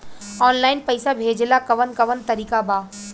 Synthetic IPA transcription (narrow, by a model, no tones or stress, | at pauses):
ɔːnlaːɪnpɐjsabʱeːd͡ʒlakɐʋənkɐʋənt̪ɐɾiːkabaː